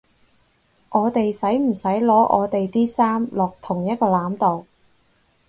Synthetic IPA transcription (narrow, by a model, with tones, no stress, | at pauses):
ʔɔː˨˧t̪e˨jsɐ˨˥jm̩˨˩sɐ˨˥jlɔː˨˥ʔɔ̰ː˨˧t̪e˨jt̪iː˥saː˥mlɔː˨k̚t̪ʰʊ˨˩ŋjɐ˥t̚kɔː˧laː˨˥mt̪o˨w